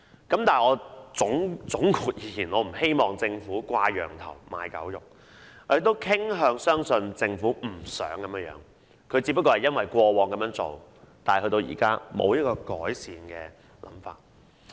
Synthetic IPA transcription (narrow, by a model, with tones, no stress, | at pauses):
kɐ˨˥mt̪aː˨ŋɔː˨˧t͡sʊ˨˥ŋt͡sʊ˨˥ŋkʰuː˨˩t̚jiː˨˧˥jʰiː˨˩nɔː˨˧m̩˨˩he˥jmɔː˨ŋt͡sɪ˧ŋfuː˨˥kʷaː˧jœ̰ː˨˩ŋt̪ʰɐ̰˨˩wma̰ː˨˧jkɐ̰˨˥wjʊ˨k̚ | ɔ˧je˨˧t̪o˥wkʰɪ˥ŋɦœː˧ŋsœː˥ŋsɵ˧nt͡sɪ˧ŋfuː˨˥m̩˨˩sœ̰ː˨˥ŋkɐ˨˦mjə˧˥jœ̰ː˨˥ŋ | kʰɵ˨˧ɥt͡siː˧p̬ːɐ˥kːɔː˧hɐ˨˩jɐ˥nwɐ˨jkʷɔː˧wɔː˨˧ŋkɐ˨˦mjœː˨˧˥ŋt͡so̰˨wt̪aː˨hɵ˧t̪o˧wjḭ˨˩kaː˥mo̰˨˧wjɐ˥t̚kɔː˧kɔ̰ː˨˥jsiː˨˧nkɛ̰ː˧ | lɐ̰˨˥mfa̰ː˨˩t̚